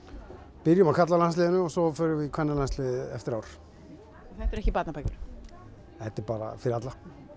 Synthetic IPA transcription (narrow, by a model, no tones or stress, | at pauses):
pɪɾjʏmakʰat̪lalanslɪːðɪnʏɔɣsɔfœɾʏvɪkʰɛnːalanslɪðɛ̰ft̪ɪɾaːwɾ̥ | θɛht̪ɛɾɛhcɪpat̪napʰajkʏɪɾ | hɛht̪ːɪpaːɾa̰fɪɾɪat̪la